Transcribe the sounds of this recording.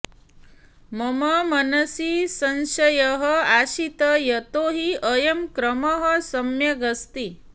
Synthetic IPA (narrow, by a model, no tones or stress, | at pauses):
mɐməmɐnɐsisɐnsɐjəɦəaɕit̪əjɐt̪oɦiəjɐmkɾəməɦəsɐmjɐɡɐst̪i